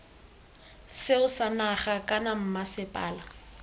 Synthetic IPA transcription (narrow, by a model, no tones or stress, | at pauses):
sɪʊsanaχakʼanam̩masɪpʼaːla